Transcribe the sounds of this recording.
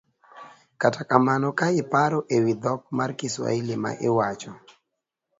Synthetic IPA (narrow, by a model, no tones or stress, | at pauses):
katakamanɔkaɪpaɾɔʔewid̪ɔk̚markɪswa̰ilɪma̰ʔɪ̰wat͡ʃɔ